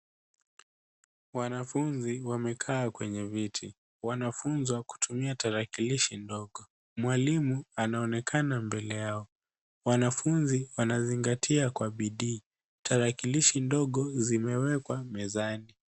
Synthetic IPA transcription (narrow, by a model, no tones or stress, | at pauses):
wanafunziwamɛkʰaːkwɛɲɛvitʰi | wanafunzwaku̥tʰumiataɾakiliʃindɔɠɔ | mwalimuanaɔnɛkʰanambɛlɛjaɔ | wanafunziwanaziŋɡatʰiakwaɓiɗiː | tʰaɾakiliʃindɔɠɔzimɛwɛkwamɛzani